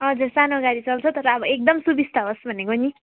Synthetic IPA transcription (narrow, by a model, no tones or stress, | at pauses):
ɦʌd͡zursanoʌɡaɾit͡sʌlt͡sʰʌt̪ʌɾʌːbʌek̚d̪ʌmsubist̪ʰʌɦosbʱʌnekoni